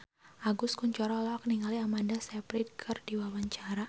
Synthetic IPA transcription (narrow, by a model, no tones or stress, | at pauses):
ʔaɡʊskuɲt͡ʃɔɾɔlɔk̚niŋaliamandasɛpɾid̚kʰərdiwawaɲt͡ʃaɾa